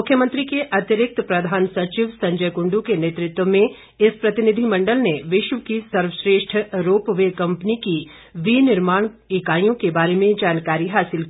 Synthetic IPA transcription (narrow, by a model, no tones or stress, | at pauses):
mʊkʰjəmə̃nt̪ɾikeʔɐt̪jəɾɪk̚t̪pɾɐd̪ʱaːnsɐt͡ʃiʋsɐ̃ɲd͡ʒəjkʊ̃ɳɖukeneːt̪ɾɪt̪wəmẽ | ɪspɾɐt̪ɪnɪd̪ʱimɐ̃ɳɖəlneʋɪʃʋəkisɐɾʋəʃɾeːʃʈʰəɾoːpʋeːkɐ̃mpniki | ʋinɪɾmaːɳ̃ | ɪkaːjõkebaːɾemẽd͡ʒaːnkaːɾiɦaːsɪlk